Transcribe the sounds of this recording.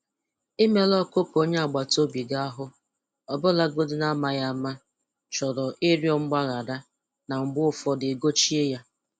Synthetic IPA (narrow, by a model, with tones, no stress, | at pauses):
i˦me˦lɔ˦ko˦po˦ɲe˦a˨ɡ͡ba˨to˦bi˨ɡa˦a˦ɦʊ˦ | ɔ˨bʊ˦la˦ɡo˦dʊ˦na˦ma˦ja˦ma˦ | t͡ʃɔ˨ɾɔ˨ʔɪ˦ɾjɔ˦ŋ͡m̩˦ɡ͡ba˦ɣa˨da˦ | na˨m̩˨ɡ͡bʊ˦ʊ˦fɔ˦dɪ˨ɡo˦t͡ʃi˦e˦ja˦